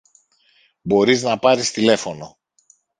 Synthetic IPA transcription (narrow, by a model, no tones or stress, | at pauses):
bo̞ɾiznɐpɐɾist̪ile̞fo̞no̞